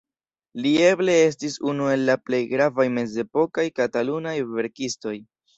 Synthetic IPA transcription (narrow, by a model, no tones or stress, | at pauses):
lie̞ble̞e̞s̬tisunue̞lːaple̞jɡɾavajme̞ze̞po̞kajkatalunajve̞ɾkisto̞j